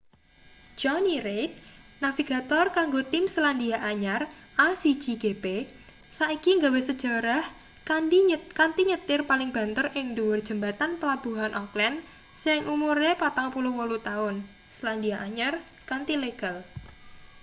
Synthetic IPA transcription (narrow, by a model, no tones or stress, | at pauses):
d͡ʒ̥ɔniɾet̪̚nafiɡ̥a̤t̪ɔrkaŋɡot̪ɪmsland̪iaʔaɲar | ʔasi̥d͡ʒ̥iɡ̥epe | saikiŋɡawesəd̥ʒ̥a̤ɾah | kadikant̪iɲət̪ɪrpalɪŋb̥a̤nt̪ərɪŋduwʊrd̥ʒ̥ə̤mbat̪anpəlab̥uɦanʔɔklɛn | sɪŋʔumuɾepat̪aŋpulʊhwɔlut̪aʊn | səland̪iaʔaɲar | kant̪ileɡ̥al